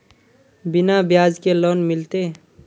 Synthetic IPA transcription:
binabjaːd͡ʒkeloːnmɪlt̪e

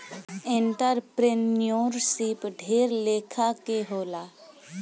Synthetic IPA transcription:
ɪ̃ɳʈəɾpɾenijoːɾsipɖʱeːɾleːkʰakeɦoːlaː

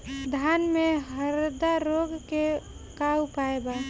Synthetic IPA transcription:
d̪ʱanmeɦəɾd̪aɾoɡke | kaupaeba

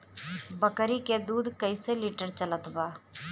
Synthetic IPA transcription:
bəkɾiːkeːd̪uːd̪kəiːseːliːʈəɾt͡ʃələt̪ʋaː

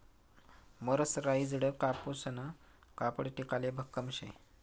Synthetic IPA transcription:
məɾəsɾajid͡zɽəkapusəna | kapəɽʈikalebʱəkːəmɕḛ

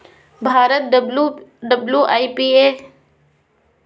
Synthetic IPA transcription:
bʱaːɾət̪̚ɖɖəbljuːʔaːipiːeː

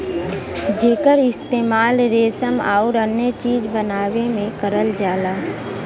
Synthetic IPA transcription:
d͡ʒeːkəɾɪst̪eːmaːlɾeːsəma̰ːʊɾənjət͡ʃiːd͡ʒbənaːwemẽkəɾəld͡ʒaːlaː

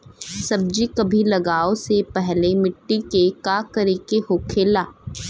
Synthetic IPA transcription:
sɐb̚d͡ʒikɐbʱilɐɡaːosepɛɦlemɪʈːikekaːkɐɾekeɦoːkʰeːlaː

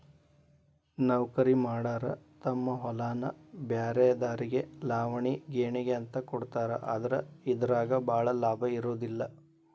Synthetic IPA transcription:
nɐʋkɐɾimaːɽaːɾɐt̪ɐmːɐɦɔlaːnɐ̰bjaːɾɛjɐd̪aːɾiɡe̞laːʋɐɳiɡeːɳiɡeɐnt̪ɐkɔɽt̪aːɾɐ̰ʔa̰ːd̪ɐɾɐ̰id̪ɐɾaːɡɐbʱaːɭɐlaːbʱɐiɾoːd̪ilːɐ

